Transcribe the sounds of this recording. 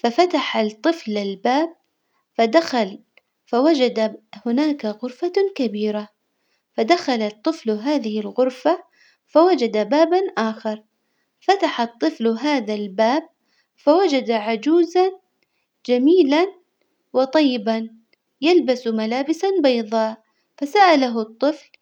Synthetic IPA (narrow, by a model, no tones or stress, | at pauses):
fafat̪aħat̪ˤɨflalbaːb̚ | fad̪axal | fawad͡ʒad̪ahʊnaːkaɣʊɾfakabiːɾa | fad̪axalat̪ˤːɨflɦaːðɪhɪlɣʊɾfa | fawad͡ʒad̪abaːbanʔaːxɑɾˤ | fat̪aħat̪ˤːɨflɦaːðalbaːb̚ | fawad͡ʒad̪aʕad͡ʒuːzan | d͡ʒamiːlan | wɨt̪ˤɑjːɪban | jalbasmalaːbɪsanbɑjðˤɑːʔ | fasaʔalaɦʊt̪ˤːɨfl